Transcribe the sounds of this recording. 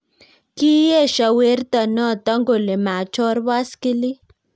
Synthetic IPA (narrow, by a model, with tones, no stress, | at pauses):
ki˦je˦˨ʃa˨we˨˦ɾt̪ɔ˨nɔ˦˨t̪ɔ˦ŋɡo˨le˨ma˨t͡ʃɔ˦ɾba˦ski˦li˦